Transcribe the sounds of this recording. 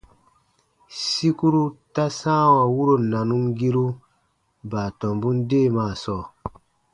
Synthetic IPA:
si˦ku˦ɾu˦ta˦sã˦wa˨wu˦ɾo˨nːa˨nu˦mɡi˦ɾu˦ | baː˨tɔ̃˨mbu˦ndeː˦˨maː˨sɔː˨

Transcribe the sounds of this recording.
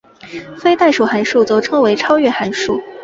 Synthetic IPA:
fe˥ɪt̪a˥˩ɪʂu˨˩xa˧˥nʂu˥˩t͡so˥˧ʊʈ͡ʂʰɤ˥ŋwe˧˥ɪʈ͡ʂʰɑ˥ʊɥɛ˥˩xa˧˥nʂu˥˩

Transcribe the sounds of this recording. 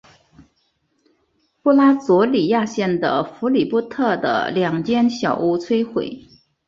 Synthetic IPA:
pu˥˧la˥t͡swɔ˧˥li˨˩ja˥˧ɕjɛ˥˩nd̪ə̰˩fu˧˥li˨˩pu˥t̪ʰɤ˥˩d̪ə̰˩ljɑ˨˩ŋt͡ɕjɛ˥nɕjɑ˨˩ʊu˧˥t͡sʰwe˥ɪxwḛ˨˩˦ɪ

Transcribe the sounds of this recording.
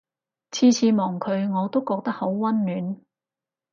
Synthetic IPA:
t͡sʰiː˧t͡sʰiː˨˧mɔː˨˩ŋkʰɵ˨˧ɥŋɔː˨˧t̪o˥wkɔː˧k̚t̪ɐ˥k̚ho˨˥wwɐ˥nlyː˨˥n

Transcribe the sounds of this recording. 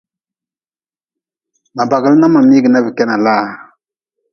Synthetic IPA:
ma˨ba˨ɡə˨lna˦ma˨mi˦ɡi˨na˦vi˨kɛ˦na˨laː˦

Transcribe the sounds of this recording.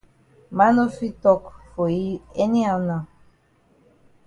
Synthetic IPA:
ma˦no˦fi˦tɔ˦kfɔ˨i˦ɛ˦ni˦awnã˨

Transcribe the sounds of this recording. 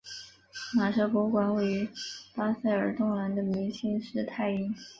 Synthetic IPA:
ma˨˩ʂɤ˧˥pwɔ˧˥kwa˧˥˦nwe˥˩ɪy˧˥pa˥sa˥˩ɪə˞˨˩t̪ʊ˥˩ŋla˧˥nd̪ə˧mi˧˥ŋɕi˥ŋʂɻ̩˥˧t̪ʰa˥˧ɪi˥ŋ

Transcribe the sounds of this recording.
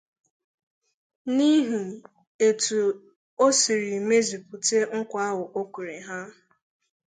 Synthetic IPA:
ni˦ɦu˨ | e˨tu˨ | o˦si˨ɾi˨me˦zi˨pʊ˨te˦ŋ̩˦kʷa˦ɦʊ˨ʔo˦kʷu˨ɾe˨ɦa˦

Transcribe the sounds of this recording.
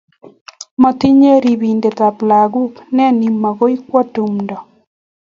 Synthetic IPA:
mɔ˨t̪i˦ɲe˦ɾi˨bi˨nde˨t̪a˨pla˨ɡu˦knɛ˦ni˨mːa˨ɡo˦i˦kwɔ˦tu˨mndɔ˨

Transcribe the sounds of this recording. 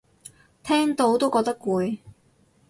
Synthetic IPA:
t̪ʰɛː˥ŋt̪o˧wt̪o˥wkɔː˧k̚t̪ɐ˥kuː˨˧j

